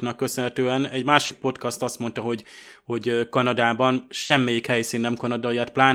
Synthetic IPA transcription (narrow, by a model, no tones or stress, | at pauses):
nɒkːø̞sønɦɛt̪øːɛnɛɟmaːʃi̥k̚po̞t̪kɒst̪ɒst̪mo̞nt̪ɒɦo̞ɟ | ho̞ɟkɒnɒd̪aːbɒnʃɛmːeːjikhɛjsiːnːɛmkɒnɒd̪ɒiɒt̪̚plaːn